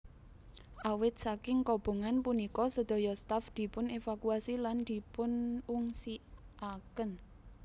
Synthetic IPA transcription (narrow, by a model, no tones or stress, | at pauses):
ʔawɪt̪̚sakɪŋkɔb̥o̤ŋanpunikɔsəd̪̥ɔ̤jɔst̪afd̪̥i̤pʊnefakuasiland̪̥i̤pʊnuŋsiʔakən